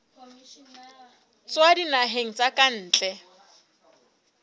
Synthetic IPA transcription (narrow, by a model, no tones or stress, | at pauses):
t͡swadinaɦeŋ̩t͡sʼakʼan̩ːt͡ɬʼɛ